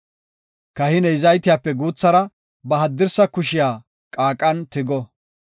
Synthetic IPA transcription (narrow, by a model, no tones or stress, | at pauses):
kɐhɪnɛɪzɐjt̪ɪjaːpːɛɡuːt͡sːɐɾɐ | bɐɦɐd̪ːɪɾsɐkʊʃɪjaː | kʼaːkʼːɐnt̪ɪɡɔ